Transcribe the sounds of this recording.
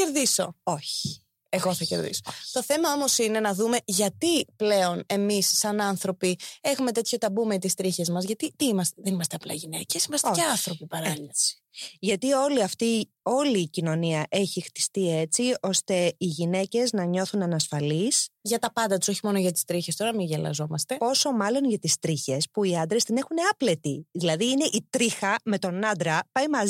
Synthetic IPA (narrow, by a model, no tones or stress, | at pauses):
eɾðiso̞o̞çi̥ | eɣo̞θɐce̞̰ɾðḭsot̪o̞θe̞mɐo̞mo̞sine̞nɐðume̞ʝɐt̪iple̞o̞ne̞misːɐnɐnθɾo̞pie̞xume̞t̪e̞t̪ço̞t̪ɐbume̞t̪ist̪ɾiçe̞zmɐzʝɐt̪it̪iimɐst̪eðe̞nimɐst̪eɐplɐ̰iʝinece̞simɐst̪eeɐθɾo̞pipɐɾɐii̥ʝɐt̪io̞liɐft̪i | o̞liːcino̞niɐʔe̞çixt̪i̥st̪ie̞t͡sio̞st̪e̞iʝine̞ce̞znɐɲo̞θunɐnɐsfɐlisʝɐt̪ɐpɐnd̪ɐt̪u̥soçimo̞noʝɐt̪i̥st̪ɾiçe̞st̪o̞ɾɐmiʝɐlɐ̰zo̞mɐst̪e̞po̞so̞mɐlo̞nʝɐt̪ist̪ɾiçe̞spuiɐnd̪ɾe̞st̪ine̞xuneɐple̞t̪iðilɐðiine̞ʔit̪ɾixɐme̞t̪o̞nɐd̪ɾɐpɐjimɐz